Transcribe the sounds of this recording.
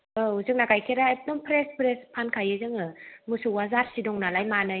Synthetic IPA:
ɯuzɯŋnaɡajkʰeɾaep̚dɔmpʰɾespʰɾespʰankʰajɯzɯŋɯmɯsɯwazaɾsidɔŋnalajmanɯ

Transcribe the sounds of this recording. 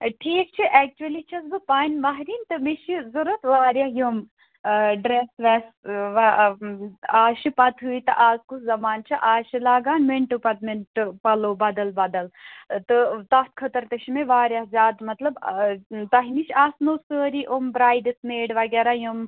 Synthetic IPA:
ʈʰiːk̚t͡ʃʰiʔɛːk̚t͡ʃuɐlit͡ʃʰɐsbɨpaːnʲmɐɦɾiːnt̪ɨmiʃizuɾut̪ʋaːɾjajum | ɖɾesʋɛsʋɐ | aːʃipɐt̪ɦuit̪ɨʔaːzkuzɐmaːnt͡ʃʰiʔaːʃilaːɡaːnmeɳʈɨpɐt̪menʈɨpɐloːbɐd̪ɐlbɐd̪ɐlt̪ɨt̪ɐt̪kʰɐt̪ɐɾt̪ɐʃimeʋaːɾʲjazʲaːd̪mɐt̪lɐbt̪ɐɦiniʃʰaːsnoːsəːɾiʔombɾaːjd̪ɨsmeːɖʋɐɡɛːɾajum

